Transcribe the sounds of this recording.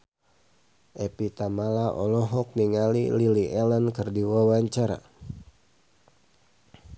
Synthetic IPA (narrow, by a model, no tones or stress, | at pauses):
ʔɛpit̪amalaʔɔlɔɦɔk̚niŋalḭliliʔɛlənkɨrdiwawaɲt͡ʃaɾa̰